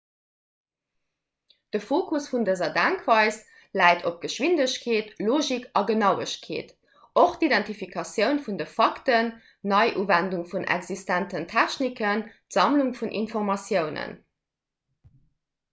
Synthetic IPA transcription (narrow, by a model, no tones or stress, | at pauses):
d̥əfoːkʰusfundəzɐdæŋkʰv̥ɑɪs | læɪtʰop̚ɡ̥əʃwindəɕkʰeːtloːʒikʰɑɡənɑʊəɕkʰḛːt | ʔoχtidæntifikʰɑsjəʊnfundəfɑktənː | ɑɪʔuːvænduŋfunʔæ̰kzistæntəntʰæɕnikəntz̥ɑmluŋfunʔḭnfoʁmɑsjəʊnə̰n